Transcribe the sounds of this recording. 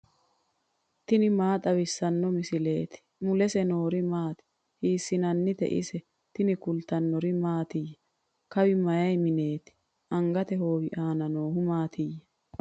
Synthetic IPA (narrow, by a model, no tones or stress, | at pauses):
t̪ɪnɪmaːt̪ʼɐwɪsːɐnːɔmɪsɪle̞ːt̪ɪ̥mʊlɛsɛnoːɾɪmaːt̪ɪ̥ | hiːsːɪnɐnːɪt̪ɛ̰ʔɪ̰sɛ | t̪ɪnɪkʊlt̪ɐnːɔɾɪmaːt̪ɪjɛ | kɐwɪmɐjɐjmɪne̞ːt̪ɪ̥ | ʔɐŋɡɐt̪ɛhoːwɪʔaːnɐnoːhʊmaːt̪ʰɪjɛ